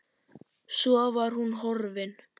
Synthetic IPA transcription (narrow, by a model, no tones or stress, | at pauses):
sɔvaɾ̥hunɦɔɾvɪn